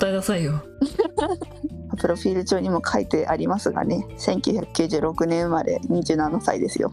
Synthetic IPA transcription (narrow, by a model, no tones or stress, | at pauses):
t̪aenasaio | mapɯ̟ɾo̞ɸʲiːɾɯ̟t͡ɕo̞ːɲ̟imo̞kʰait̪e̞ʔaɾʲimasɨɡa̰ne̞sẽ̞ŋkʲɨ̟ːçakɯ̟̥kʲɨːʑɨːɾo̞kɯ̟nẽ̞ɰ̃mad̪e̞̰ɲ̟ʲid͡ʑɨ̟ːnanasa̰ḭd̪e̞sɨjo̞̰